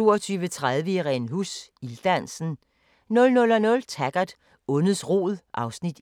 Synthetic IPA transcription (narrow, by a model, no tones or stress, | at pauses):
o̝̰ːɐt͡sʰyːʋət͡sʰʁað̞ˠʋəiʁɛnɦusild̥ænsn̩ | nɔ̽lnɔ̽lɒnɔ̽lt͡sʰæɡ̥ɐd̥ | ɔ̽nð̩ˠsʁo̝̰ːð̩ˠʔɑ̈ʊsnid̥